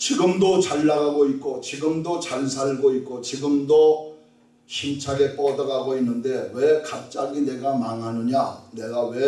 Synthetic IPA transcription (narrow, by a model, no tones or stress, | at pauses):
t͡ɕiɡɯmdot͡ɕaɭːaɡaɡoit̚k͈ot͡ɕiɡɯmdot͡ɕaɭs̬ʰaɭɡoit̚k͈ot͡ɕiɡɯmdo | ɕʰint͡ɕʰaɡe̞p͈ʌdaɡaɡoinːɯnde̞wekap̚t͡ɕ͈aɡine̞ɡamaŋɦanɯɲane̞ɡawe̞